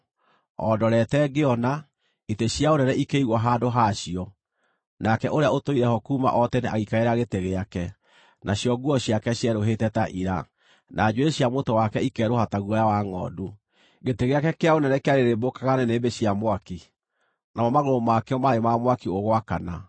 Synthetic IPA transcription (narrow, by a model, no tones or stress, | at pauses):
ɔ̰dɔɾɛtɛɡeɔna | iteɕjaoɾɛɾɛʔikeiɣwɔɦandoɦaɕiɔ | nakɛʔoɾeaotoiɾɛhɔkuːma̰ʔɔtɛneaɣikaeɾaɣeteɣeakɛ | nʔaɕjɔɡuɔɕjakɛɕjɛɾoɦetɛtaʔiɾa̰ | nʔad͡ʒweɕjamotowakɛikɛɾohataɣuɔjawaŋɔ̰du | ɣeteɣeakɛkeaonɛnɛkeaɾeɾebokaɣanɛnebeɕiamwaki | namɔmaɣoɾomakeɔmaemamwakioɣwakana